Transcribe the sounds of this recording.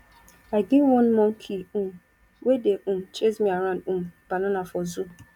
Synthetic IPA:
aɪɡɪwɔ̃nmɔ̃ŋ̩kʰiu | wedeʔũm̩t͡ʃezmiaɾãũm̩b̥ananafɔzu

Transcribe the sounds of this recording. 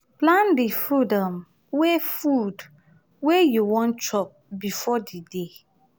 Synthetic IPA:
plãndifɹudɔ̃m | wefud | wejuwɔ̃nt͡ʃɔp̚bifɔdide

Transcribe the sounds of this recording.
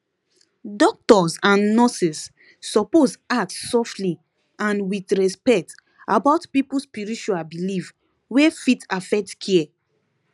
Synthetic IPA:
dɔk̚tɔsãnːɔsisː | ɔpozatssɔftli | ãnwitɹɛspɛk̚t | abaʊtpipuspiɹit͡ʃuabilif | wefitafɛk̚tkʰiɛ

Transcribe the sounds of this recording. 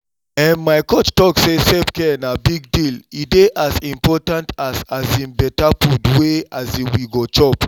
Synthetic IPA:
ɛ̃nmaɪkot͡ʃtɔksesɛpkɛnabiɡ̚dilideʔazĩmpɔtãntʰazazĩnbɛtapudweazĩwiɡot͡ʃɔp

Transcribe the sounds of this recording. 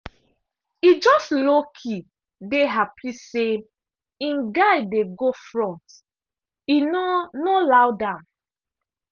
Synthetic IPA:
id͡ʒɔstlokʰi | deɦapʰise | ĩnɡaɪdeɡofɹɔ̃nt | innolawdãn

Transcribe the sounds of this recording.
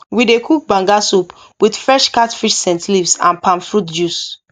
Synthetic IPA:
widekʰuk̚bãŋɡasup | wid̥fɹɛʃkatfiʃsɛ̃ntlivsã̰npãnfɹutd͡ʒus

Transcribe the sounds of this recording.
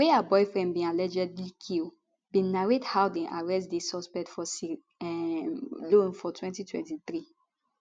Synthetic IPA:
weaabɔjfɹɛ̃ndbĩalɛd͡ʒɛdlikʰil | bĩnaɹethawdeʔaɹɛstdesɔspɛk̚tfɔsi | ɛ | lõnfɔtwɛ̃ntitwɛ̰̃ntiθɾi

